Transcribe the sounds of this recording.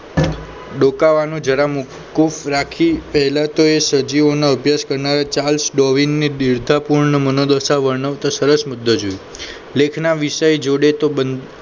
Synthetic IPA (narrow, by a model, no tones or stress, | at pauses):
ɖokaʋanũd͡ʒəɾamu | kːufɾakʰipəɦɛlat̪oesəd͡ʒiʋonaəbʱjaskəɾnaɾat͡ʃalsɖoʋinːidiɾd̪ʱapuɾnəmənod̪əsaʋəɾɳəʋt̪asəɾəsmʊd̪ʱːəd͡ʒoi | lekʰnaʋiʃəjd͡ʒoɽet̪obən